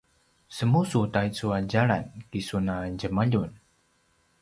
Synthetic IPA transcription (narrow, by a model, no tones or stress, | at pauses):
səmusutait͡suad͡ʒaɭa̰nkisunad͡ʒəmaʎun